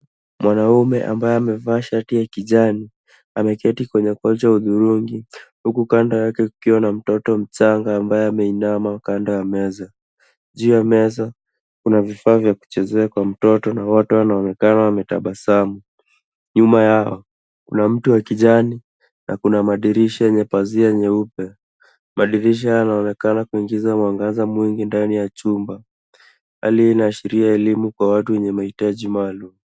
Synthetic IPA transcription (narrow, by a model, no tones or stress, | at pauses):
mwʔanaumɛʔa̰mbajɛamɛvaʃatiakiʄani | amɛkɛtikwɛɲɛkwɔlt͡ʃauðuɾuŋɡihukukandɔjakɛukiwanam̩tɔtɔm̩t͡ʃaŋɡaːmbajɛamɛinamakandɔjamɛza | ʄuːjamɛza | kunavifaːvjaku̥t͡ʃɛzɛakwam̩tɔtɔnawatɔwanaɔnɛkanawamɛtaɓasamu | ɲumajaɔ | kunam̩tuwakiʄani | nʔakunamaɗiɾiʃaɛɲɛpaziaɛɲɛupɛ | maɗiɾiʃ̬ihajanaɔnɛkanakuiŋɡizamwaŋɡazamwiŋɡindanijat͡ʃumba | ha̰liinaːʃiɾiaɛlimukwawatuwɛɲɛmahitaʄimaːlumu